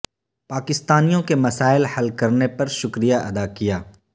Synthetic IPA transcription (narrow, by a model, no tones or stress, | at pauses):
paːkɪst̪aːnijõkemɐsaːɪlhɐlkɐɾnepɐɾʃʊkɾijaʔɐd̪akijaː